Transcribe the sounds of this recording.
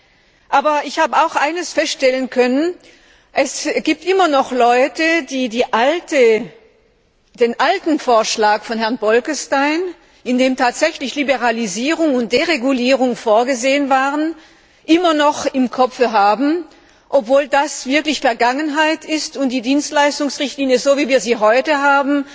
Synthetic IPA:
ʔaːbɐɪçhaːbəaʊxʔaɪnəsfɛstʃtɛlənkʰœnən | ʔɛsɡ̥iːp̚tʔɪmɐnɔχlɔʏtədiːdiːʔaltə | d̥eːnʔaltn̩foːɐʃlaːkfɔnhɛɐnbɔlkəstaɪn | ɪndeːmtʰaːtz̥ɛçlɪçlibəʁaliziːʁʊŋʊnt̚d̥eːʁeɡuliːʁʊŋfoːɐɡəzeːənvaːʁən | ʔɪmɐnɔχɪmkʰɔfəɦaːbm̩ | ʔɔpv̥oːldasv̥ɪɐklɪçfɛɐɡaŋənɦaɪtɪstʊnt̚d̥iːdiːnstlaɪstʊŋsʁɪçtliːnjəzoːviːviːɐziːɦɔʏtəɦaːbm̩

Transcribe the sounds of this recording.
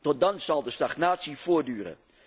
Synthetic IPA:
tɔt̚dɑnzɑlˠdəstɑχnaːtsiv̥ʊːɹdyːrə̰n

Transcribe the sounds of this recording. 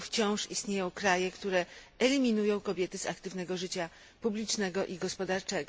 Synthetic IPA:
ft͡ɕɔ̃w̃ʂist̪ɲejɔ̃w̃kɾajɛkt̪uɾɛɛlʲimʲinujɔ̃w̃kɔbʲjɛt̪ɘza̰kt̪ɘvn̪ɛɡɔʐɘt͡ɕa | publʲit͡ʂnɛɡɔʔiɡɔspɔd̪aɾt͡ʂɛɡɔ

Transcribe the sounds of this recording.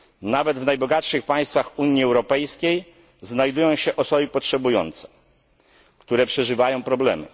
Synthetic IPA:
navɛd̪vnajbɔɡatʂɘxpaj̃st̪faxuɲiɛwɾɔpɛjskʲej | znajd̪ujɔ̃w̃ɕɛʔɔsɔbɘpɔtʂɛbujɔ̰nt̪sɛ̥ | kt̪uɾɛpʂɛʐɘvajɔ̃w̃pɾɔblɛ̰mɘ̰

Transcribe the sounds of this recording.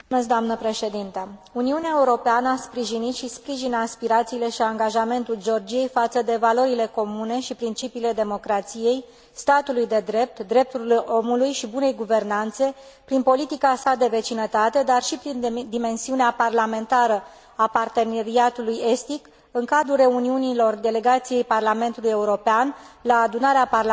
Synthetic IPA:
meskd̪oamnəpɾe̞ʃe̞d̪int̪əuniuneaeuɾo̞peanəaspɾiʒinit̪ʃispɾiʒinaspiɾat̪siːle̞ʃiaŋɡaʒame̞nt̪uld͡ʒeo̞rd͡ʒije̞jfat̪səd̪e̞valo̞ɾile̞ko̞mune̞ʃipɾint͡ʃipiːle̞d̪e̞mo̞kɾat̪sije̞j | st̪at̪ulujd̪e̞d̪ɾe̞p̚t̪d̪ɾe̞p̚t̪uo̞mulujʃibune̞jɡuve̞rnant̪se̞pɾinpo̞lit̪ikasad̪e̞ve̞t͡ʃinət̪at̪e̞d̪arʃipɾind̪ime̞nsiuneaparlame̞nt̪aɾə | apart̪e̞ne̞ɾiat̪uluje̞st̪ik | ɨŋkad̪ɾulre̞uniunilo̞rd̪e̞le̞ɡat̪sije̞jparlame̞nt̪uluje̞uɾo̞peanlaːd̪unaɾeaparl

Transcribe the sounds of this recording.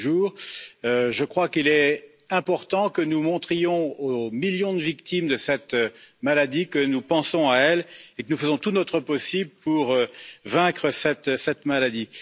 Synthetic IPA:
ʒuːʁøʒəkχwakilɛ | ɛ̃pɔʁt̪ɑ̃kənumɔ̃t̪χijɔ̃omiljɔ̃d̪əvikt̪imd̪əsɛt̪malad̪ikənupɑ̃sɔ̃aɛlekənufəzɔ̃t̪unɔt̪χəpɔsibləpuʁøvɛ̃kχəsɛt̪sɛt̪malad̪i

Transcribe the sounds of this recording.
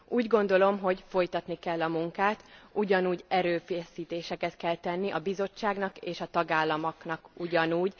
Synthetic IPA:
ʔuːɟɡo̞nd̪o̞lo̞mɦo̞ɟfo̞jt̪ɒt̪nikɛlːɒmuŋkaːt̪uɟɒnuːɟɛɾøːfeːsiːt̪eːʃɛkɛt̪kɛlt̪ɛnːiʔɒbizo̞t͡ʃːaːɡnɒkeːʃɒt̪ɒɡaːlːɒmoknɒkuɟɒnuːɟ

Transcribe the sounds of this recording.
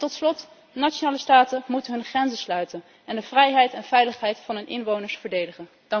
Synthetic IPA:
tɔtslɔt | nat͡ʃonaːləstaːtəmutənɦɵnχrɛnzəslœɥtən | ɛndəv̥rɛjɦɛjtɛnvɛjləχɦɛjtfɑnɦɵnʔɪ̰nʋownəɹsfəɹdejdəχən | d̥ɑ

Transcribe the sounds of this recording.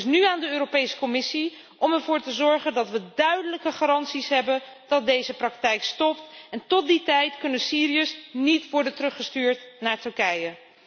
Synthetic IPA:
snyaːndəøːɾopejsə̥kɔmɪsi | ɔmɛɹvʊːɹtəzɔɹχəndɑtʋədœɥdələkəχarɑntsisɦɛbən | d̥ɑt̚dejzəprɑktɛjkstɔptɛntɔt̚ditɛjtkɵnəsiːɾiəsnitʋɔɹdəntərɵχəstyːɹtnaːɹtɵɹkɛjə

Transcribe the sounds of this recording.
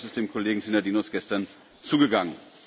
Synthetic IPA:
sɪstd̥eːmkʰoleːɡŋ̩sɪnɐdiːnɔsɡ̥ɛstɐn | t͡suːɡəɡaŋən

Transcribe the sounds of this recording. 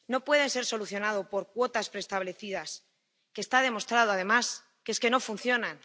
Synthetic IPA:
no̞pwe̞ð̞e̞nse̞ɾso̞luθjo̞nað̞opo̞ɾkwo̞t̪aspɾe̞st̪aβle̞θiðas | kest̪aðe̞mo̞st̪ɾaðoað̞e̞mas | kee̞ske̞no̞funθjo̞nan

